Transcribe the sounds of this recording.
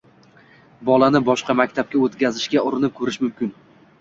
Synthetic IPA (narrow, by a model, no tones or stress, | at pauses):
bɒlˠanɪbɒʃqɑmakʲt̪ʰap̚kʲaot̪kʲazɪʃɡʲaʊɾɪnɪp̚kʰɵɾɪʃmʊmkʲɪn